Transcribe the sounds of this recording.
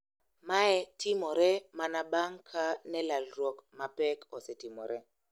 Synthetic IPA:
maɛtʰimɔɾɛmanaɓaŋkʰanɛlalɾɔkmapɛkɔsɛtimɔɾʔɛ

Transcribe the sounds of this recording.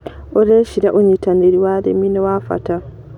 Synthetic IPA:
ʔɔɾeʃidaʔoɲitandeɾiwaːdɛ̰minɛwafa̰ta

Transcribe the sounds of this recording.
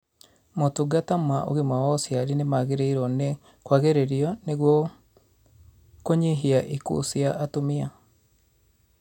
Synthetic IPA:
motoɡatamaʔo̰ɣemawɔsjaɾinemaɣeɾeiɾɔne | kwaɣeɾeɾiɔneɣwɔ | koɲeɦiaʔikṵsiaʔatomia

